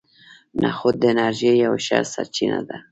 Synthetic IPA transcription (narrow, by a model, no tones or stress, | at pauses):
nʔaxʊd̪ːənaɾʒejawʃaɾsaɾt͡ʃinad̪a